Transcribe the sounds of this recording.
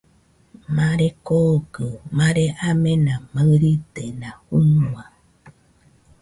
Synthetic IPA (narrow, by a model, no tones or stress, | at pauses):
mãɾekoɡɨmãɾeʔamẽnãmaɾit̪enãhuũa